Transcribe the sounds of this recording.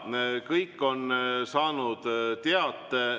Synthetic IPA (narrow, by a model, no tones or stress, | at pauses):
kɤjkːˑo̞nsɑːnud̪̥t̪eɑt̪ˑːe